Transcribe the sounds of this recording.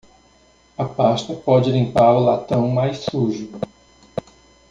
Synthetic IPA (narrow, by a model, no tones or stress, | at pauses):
ɐpast̪ɐpɔd͡ʒɪlĩpaɾʊlat̪ɐ̃w̃majsuʒʊ